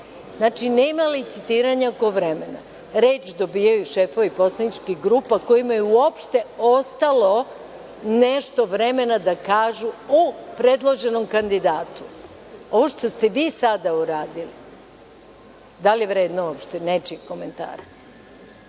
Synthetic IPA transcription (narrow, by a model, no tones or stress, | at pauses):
znaːt͡ʃinemalit̪sit̪iːɾaɲako̞ʋɾe̞me̞na̰ | ɾeːt͡ʃd̪o̞biːjajuʃe̞fo̞ʋipo̞slˠanit͡ʃkiɡɾuːpako̞jimajeuo̞pʃt̪e̞ost̪alo̞ | ne̞ʃt̪o̞ʋɾe̞me̞nad̪akaːʒuupɾe̞d̪lˠo̞ʒe̞no̞mkand̪id̪aːt̪u̥ | o̞ʋo̞ʃt̪o̞st̪e̞ʋiːsad̪auɾaːd̪ili | d̪aljeʋɾeːd̪nouopʃt̪ene̞t͡ʃiko̞me̞nt̪a̰ːɾa